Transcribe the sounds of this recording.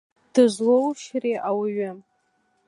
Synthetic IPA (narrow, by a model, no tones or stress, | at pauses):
d̥ɨʒʷlowʃreʔawɥɪ